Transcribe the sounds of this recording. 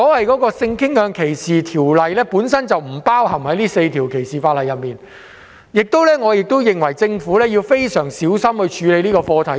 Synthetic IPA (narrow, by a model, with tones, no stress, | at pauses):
kɔː˨˥hɐ˨jkɔː˨˥kɔː˧sɪ˧ŋkʰɪ˥ŋjœː˨˧ŋkʰe˨˩jsiː˨t̪ʰiː˨˩wlɐ˨jlɛː˥puː˨˥nsɐ˥nt͡sɐ˨wm̩˨˩paː˥whɐ˨˩mhɐ˨˥jliː˥se˧jt̪ʰiː˨˩wkʰe˨˩jsiː˨faː˧t̚lɐ˨jɐ˨t̚miː˨n | jɪ˨k̚t̪o˥wlɛː˥ŋɔː˨˧jɪ˨k̚t̪o˥wjɪ˨˩ŋwɐ˨˩jt͡sɪ˧ŋfuː˨˥lɛː˥jiː˧wfe˥jsœː˨˩ŋsiː˨˥wsɐ˥mhɵ˧ɥt͡ʃʰyː˨˧le˨˧jniː˥kɔː˧fɔː˧t̪ʰɐ˨˥˦j